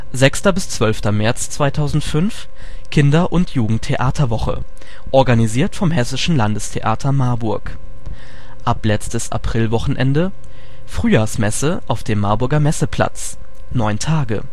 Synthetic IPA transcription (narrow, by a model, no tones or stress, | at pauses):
zɛkstɐbɪst͡sv̥œlftɐmɛɐt͡st͡sv̥aɪtʰaʊzn̩tfʏnf | kʰɪndɐʔʊntʰjuːɡŋ̩tʰːeʔaːtʰɐvɔχə̰ | ʔɔɐɡaniziːɐtfɔmhɛsɪʃn̩landəstʰḛʔa̰ːtʰɐmaɐbʊɐk | ʔaplɛt͡stəsa̰pʁ̥ɪlvɔχn̩ʔɛ̰ndə | fʁ̥yːjaːsmɛsəʔaʊfd̥eːmːaɐbʊɐɡɐmɛsəpʰl̥a̰t͡s | nɔʏntʰaːɡə̰